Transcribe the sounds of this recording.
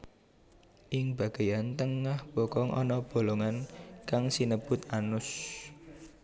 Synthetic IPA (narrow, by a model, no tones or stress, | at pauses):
ʔɪŋb̥a̤ɡ̥ajant̪əŋahb̥okɔŋʔɔ̰nɔb̥o̤loŋankaŋsinəb̥ʊ̤t̪anʊs